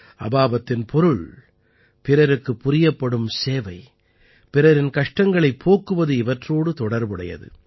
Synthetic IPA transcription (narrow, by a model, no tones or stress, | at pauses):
ʔɐbaːbɐt̪ːɪnpʰɔɾɯɭ | pɪɾɐɾɯkːɯpːʊɾɪjɐpːɐɽɯmseːʋɐɪ | pɪɾɐɾɪnkɐʂʈɐŋɡɐɭɐɪpʰːoːkːɯʋɐðɯɪʋɐʈroːɽɯt̪ɔɽɐɾbɯɽɐ̰jɐ̰ðɯ̰